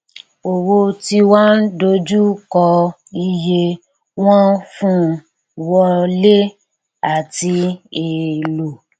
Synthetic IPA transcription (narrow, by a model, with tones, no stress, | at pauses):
o˨wo˧ti˧wã˦n̩˦do˧d͡ʒu˦kɔ˧ | i˧je˧ | w̃ã˦fũ˦ | wɔ˧le˦ | a˨ti˧e˨lu˨